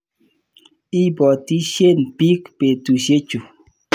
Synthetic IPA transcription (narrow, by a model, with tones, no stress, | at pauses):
i˦bɔ˨ti˦ʃje˦˨n˨pi˦kpe˨tu˨ʃe˦t͡ʃu˨